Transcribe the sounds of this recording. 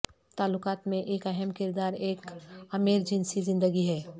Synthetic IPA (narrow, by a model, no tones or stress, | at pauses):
t̪aːlːʊkaːt̪mẽʔeːkɐɦəmkɪɾd̪aːɾeːkɐmeːɾd͡ʒɪnsizɪ̃nd̪əɡiɦɛː